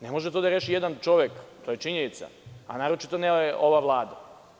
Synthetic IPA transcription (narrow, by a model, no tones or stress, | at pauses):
ne̞mo̞ʒet̪od̪aɾe̞ːʃijed̪ant͡ʃo̞ʋjekt̪oːje̞t͡ʃiɲenit̪sa̰a̰naːɾo̞t͡ʃit̪o̞nejeʔo̞ʋaʋlˠaːd̪a